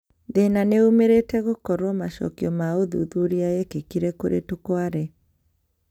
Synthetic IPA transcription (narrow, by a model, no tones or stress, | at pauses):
ðenaneumeɾetɛɣokɔɾwɔmaʃɔ̰kiɔmaoðṵðuɾiajɛkekiɾɛkoɾʔḛtokwaɾɛ